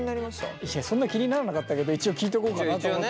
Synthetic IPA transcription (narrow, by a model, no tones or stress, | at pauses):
ɲinaɾʲimaɕt̪a̰iɕːasõ̞nːakʲiɲ̟inaɾanakat̪ːake̞d̪o̞it͡ɕio̞kʲiːt̪̬eko̞ːkanat̪omo